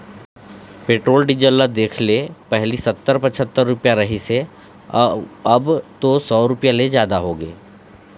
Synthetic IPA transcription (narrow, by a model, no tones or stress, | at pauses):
peːʈɾoːlɖid͡ʒəlːad̪eːkʰlepɛɦlisɐt̪ːəɾpɐt͡ʃʰət̪ːəɾːʊpjaɾɐɦise | ɐbt̪osɔːɾʊpjalezjaːd̪aɦoːɡḛː